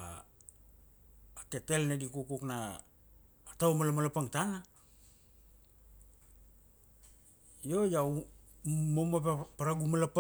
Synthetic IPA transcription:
a̰ | kete̞lnedikukuknaː | tawmalamalapaŋtana | jojau | momapepaɾaɡumalap

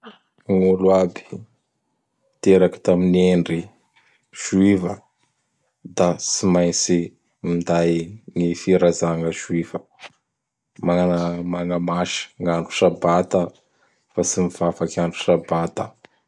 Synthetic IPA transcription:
ŋulwabi̥ | t̪eɾaki̥t̪amineɳɖ͡ʐi | ʒ̥uivə | d̪asimajnt͡si | mind̪ajŋifiɾazaŋəzuivə | maanmaŋəmaʃi̥ŋaɳɖ͡ʐu̥ʃabat̪ə | fasimiv̥afakaɳɖ͡ʐu̥ʃabat̪ə

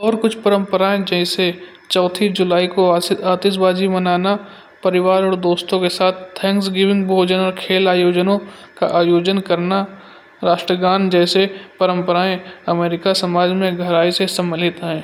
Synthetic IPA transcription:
ɔːɾkʊt͡ʃʰpɐɾə̃mpəɾaːẽd͡ʒɛɦɪse | t͡ʃɔːt̪ʰid͡ʒʊlaːikoaːt̪ɪʃ̬baːd͡ʒimɐnaːna | pɐɾɪʋaːɾɔːɾd̪oːst̪õkesaːt̪ʰt̪ʰːɛ̃ːŋks̬ɡɪʋɪ̃ŋɡbʱoːd͡ʒənɔːɾkʰeːlaːjoːd͡ʒənõka̰ʔaːjoːd͡ʒənkɐɾna | ɾaːʃʈɾəɡaːnd͡ʒɛːsepɐɾə̃mpəɾaːẽɐmeːɾɪkasɐmaːd͡ʒmẽɡʱɐɾaːisesɐməlɪt̪ɦɛ̃ː

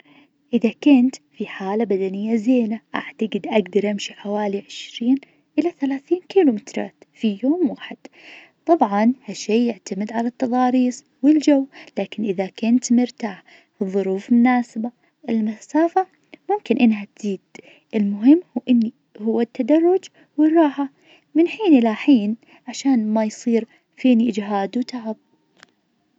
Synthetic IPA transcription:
ʔɪðakʊnt̪fiħaːlabad̪anɪjːazeːlaʔa̰ʕt̪aɡɪd̪ʔaɡd̪ɑɾˤʔamʃiħawaːliʕɪʃɾiːn | ʔɪlaθalaːθiːnkiːlumɪt̪ɾˤɑ̰ːt̪fijoːmwaːħɪd̪̥ | t̪ˤɑbʕɑnhaʃːeːjɪʕt̪amɪd̪ʕalat̪ːɑðˤɑːɾiːsˤ | wɪld͡ʒawːlaːkɪnʔɪðakʊnt̪mʊɾt̪aːħ | ɨðˤːʊɾuːfmʊnaːsɪba | ʔɪlmasaːfa | mʊmkɪnʔɪnːɦat̪z̥iːd̪̥ | ʔɪlmʊɦɪmːhuːʔɪnːi | hʊwːɪt̪ːad̪ɑrˤːʊd͡ʒ | wɪrˤːɑːħa | mɪnħiːnʔɪlaħiːn | ʕaʃaːnmajsˤiːɾ | feːniʔɪd͡ʒɦaːd̪wt̪aʕab̚

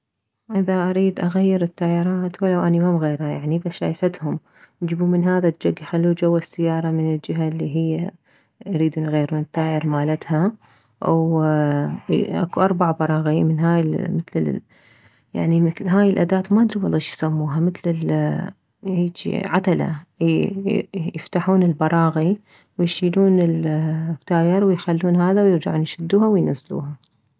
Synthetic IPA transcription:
ʔɪðaʔaɾiːd̪ʔaɣajːɪɾɪt̪ːaːjɪɾˤɑːt̪walːawʔanimamɣeːɾhajaʕnibaʃa̰ːjfat̪hʊm | d͡ʒɪbuːmɪnɦaːðad͡ʒaɡːjxalːuːd͡ʒawːasːɪjːɑːɾˤɑmɪnɪld͡ʒɪɦalːiːɦɪjːa | ɾiːd̪uːnɣajːɪɾuːnɪt̪ːaːjɪɾmaːlat̪ha | w | ʔa̰kuʔɑɾˤbaʕbɑɾˤɑːɣimɪnɦaːjɪmɪt̪lɪ | ja̰ʕnimɪɦaːjɪlʔad̪aːt̪maʔad̪ɾiwɑlˤːɑːʃjsamːuːɦamɪt̪lɪl | hiːt͡ʃḭʕat̪ala̰ | jɪft̪aħuːnɪlbɑɾˤɑːɣi | wɪjʃiːluːnɪlt̪ːaːjɪɾwɪjxalːuːnɦaːðawjɪɾd͡ʒaʕuːnjʃɪd̪ːuːhawɪjnazːlṵːha

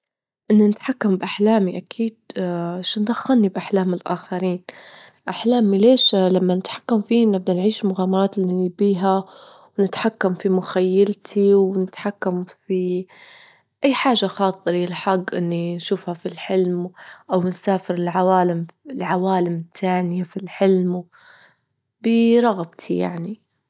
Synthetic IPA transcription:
ʔɪnːanɪt̪ħakːambʔaħlaːmiʔakʰiːd̪ʃɪnd̪axːannibʔaħlaːmɪlʔaːxaɾiːn | ʔaħlaːmileːʃlamːanɪt̪ħḁkːamfiːnɪb̚d̪anʕiːʃlmʊɣaːmɑɾˤɑːt̪lːinibiːɦa | wnɪt̪ħakːamfimʊxajːalt̪ʰiwnɪt̪ħakːamfi | ʔajːħaːʒːaxɑːt̪ˤɨɾɪlħaɡːʔɪnːinʃuːfhafilħɪlmʔawnsaːfɪɾɪlʕawaːlɪmɪlʕawaːlɪmt̪ʰaːnjafilħɪlm | bɪɾˤɑɣbt̪ʰija̰ʕni

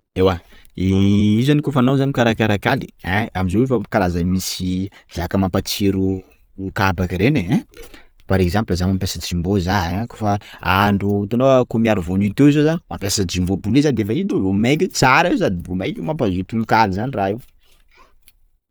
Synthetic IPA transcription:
ewaiizanikofanawzanimikaɾakaɾakʲali̥ɛamizowefakalazamisiz̥akəmampat͡siɾu | ukabakɾenẽ | paɾekzãmplazamampeasat͡simbozako̥faaɳɖ͡ʐut̪anokomiaɾuvonit̪ewizozanmampʲasad͡ʒimbobulizand̪efait̪olomejkit͡saɾaes̬ad̪ibumajkimampazit̪unukalizaniraiw

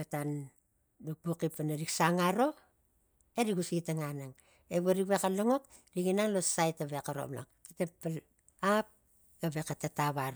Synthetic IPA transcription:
atan | duk̚pukipːanaɾiksaŋaɾo̞ | eɾiɡusiɡitaŋanaŋ | eβoɾikβekaloŋo̞k | ɾiɡinaŋlosajtaβekaɾo̰mla̰ktatepːal | ap̚ | ɡaβekatetaβaɾo

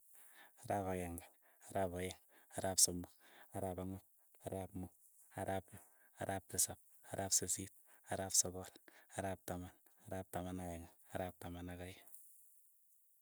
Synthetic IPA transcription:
aɾapakɛŋɡa | aɾapajɛŋaɾaːpsɔmuaɾapaŋɔ | aɾaːpmu | aɾapː | aɾʔaːp̚tɪsap̚ | aɾʔapsesit̚aɾaːpsɔbɔlaɾaːp̚taman | aɾaːp̚tamanajɛŋaaɾaːp̚tamanakaj

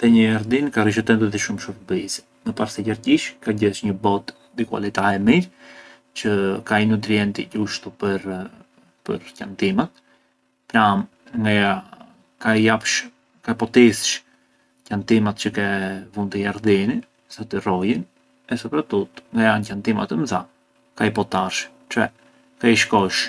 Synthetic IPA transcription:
ðɛɲəjaɾd̪inkariʃɛt̪ɛnt̪ɛðɛʃumʃuɾbis | məpaɾsɛɟaɾɟiʃkaɟɛʃɲəbɔt̪nd̪ikwa̰lit̪ahɛmiɾ | t͡ɕəkainut̪ɾiɛnt̪ḭɟuʃt̪upəɾ | pə̰ɾcant̪imat̪ | pɾam | ŋɡaja | kajapʃ | kapɔt̪isʃ | cant̪imat̪t͡ʃəkɛvunt̪əjaɾðini | sat̪irɔjin | ɛsɔpɾat̪ut̪ŋɡajancant̪ima̰t̪əmθa | kaipɔt̪aɾʃ | t͡ʃɛ | kaiʃkɔʃ

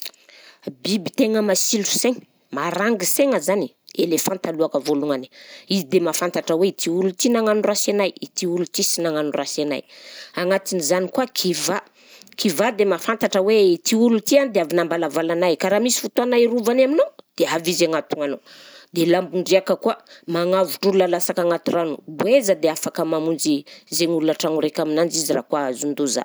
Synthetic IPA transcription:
bibit̪eŋəmasilu̥seŋ | maɾaŋɡiseŋəzani | elefãnt̪aluakəvoluŋani̥izid̪emafant̪aʈ͡ʂəweit̪ʰiulut̪inaŋanurasenajit̪iulut̪isinaŋanurasena̰jaŋat̪inizanikuakʰiva | kʰivad̪emafant̪aʈ͡ʂəweit̪iulut̪ianid̪eavinambalavalanajkaɾamisi̥fut̪uanairuvanaminod̪̥eavizaŋat̪uŋano | d̪elambuɳɖ͡ʐiakəkuamaŋavuʈ͡ʂulunalasakaŋat̪uranubuezəd̪eafakəmamund͡ʒizeŋululaʈ͡ʂaŋuɾekʲaminand͡ʒizira̰kuaazund̪uza̰

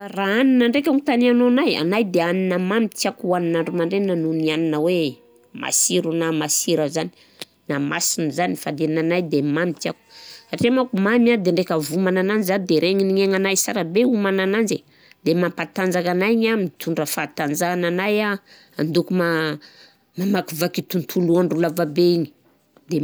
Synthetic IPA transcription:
araaninəɳɖ͡ʐekʲaŋit̪anianoanaja̰najd̪eaninəmamit̪iakuaninaɳɖ͡ʐumaɳɖ͡ʐenanunianinəwe | ma̰siɾunamasiɾəzani̥ | namasinzanifad̪enanajd̪emamit̪iaku̥saʈ͡ʂemakumamad̪eɳɖ͡ʐekavumananand͡zzad̪eɾʔeŋiniŋeŋanajsaɾabeumananand͡ze | d̪emampat̪and͡zakanajɲamint̪ʰuɳɖ͡ʐəfat̪and͡zananaja | and̪ukuma | mamakuvakit̪unt̪ʰuluanɖ͡ʐulavabeiɲi̥ | d̪e

